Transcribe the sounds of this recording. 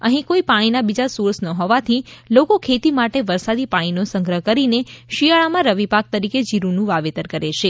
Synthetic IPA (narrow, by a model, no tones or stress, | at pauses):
əɦĩkoipaɽ̃inabid͡ʒasuɾsnəɦoʋat̪ʰilokokʰet̪imaʈeʋəɾsad̪ipaɽ̃inosə̃ŋɡɾəɦəkəɾineʃiaɭamãɾəʋipak̚t̪əɾiked͡ʒiɾunũʋaʋet̪əɾkəɾeʃʰe